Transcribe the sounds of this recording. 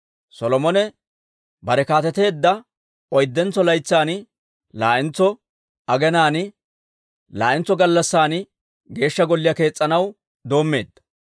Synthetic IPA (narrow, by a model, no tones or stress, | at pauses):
sɔlɔmɔnɛ | bɐɾɛkaːt̪ɛt̪e̞ːd̪ːɐ | ɔjd̪ːɛnt͡sːɔlɐjt͡sːaːnɪ | laːʔɪnt͡sːɔ | ɐɡɛnaːnɪ | la̰ːʔɪnt͡sːɔɡɐlːɐsːaːn | ɡe̞ːʃːɐɡɔlːɪjɐke̞ːt͡sʼːɐnɐw | d̪o̞ːmːe̞̰ːd̪ːɐ̥